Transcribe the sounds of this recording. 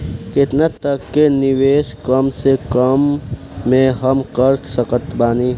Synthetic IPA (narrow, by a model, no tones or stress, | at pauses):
kɪt̪nat̪əkːenɪʋeːʃkəmsekəmː | ẽɦəmkəɾsəkət̪baːni